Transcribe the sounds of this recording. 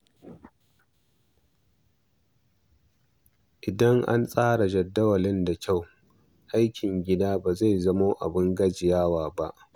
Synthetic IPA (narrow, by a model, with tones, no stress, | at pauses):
ʔɪ˨dɐ˦ŋʔa̰˦nsʼaː˦ɽa˨d͡ʒɐ˨dːɐ˦wɐ˨lɪ˦nda˨kʲʰa˦˨w | ʔa˦jkʲʰɪ˨ŋɡʲɪ˦daː˦baː˨za˦˨jzɐ˦moː˦ʔa̰˨bɪ˦ŋɡɐ˦d͡ʒɪ˨jaː˦waː˨ba˦ʔ